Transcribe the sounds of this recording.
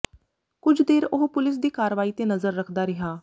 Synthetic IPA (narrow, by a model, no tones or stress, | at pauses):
kʊd͡ʒd̪eːɾʊɦpʊlɪs̬d̪iːkaːɾʋaːiːt̪eːnəzəɾːəkʰd̪aːɾɪɦaː